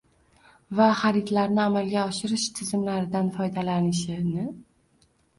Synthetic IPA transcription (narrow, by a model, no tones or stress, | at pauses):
vaχaɾɪt̪laɾnɪamalɡʲaɒʃɪɾɪʃt̪ʰɪzɪmlaɾɪd̪anfɒjd̪alanɪʃɪnɪ